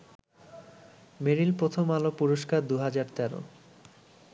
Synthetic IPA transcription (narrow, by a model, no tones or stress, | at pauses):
meɾilpɾot̪ʰomalopuɾoʃkaɾd̪uɦad͡ʑaɾt̪ɛɾo̰